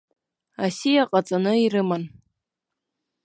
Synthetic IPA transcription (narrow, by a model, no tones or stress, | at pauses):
asijaqʼat͡sʼanɨiɾɨman